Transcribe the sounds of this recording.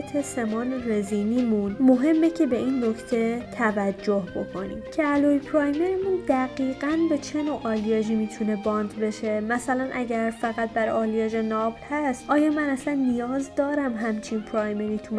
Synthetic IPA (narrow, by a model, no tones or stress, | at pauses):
t̪ʰe̞se̞mɒːnere̞ziːniːmunmo̞ɦe̞mːe̞cʰe̞be̞inːo̞cʰt̪ʰe̞t̪ʰævæd͡ʒːo̞hbo̞kʰo̞nḭːmcʰeælojpʰɾɒːjmeɾimund̪̥æɡiːɡænbe̞t͡ʃʰe̞noːʔɒːlijɒʒiːmiːt̪ʰune̞bɒnd̪be̞ʃe̞mæsælænʔæɟæɾfæɣæt̪̚bæɾɒːliɒʒenɒblhæst̪ʔɒːjɒːmænæslænːijɒːzd̪ɒːɾæmɦæmt͡ʃʰinpʰɾɒjmeɾiːt̪ʰum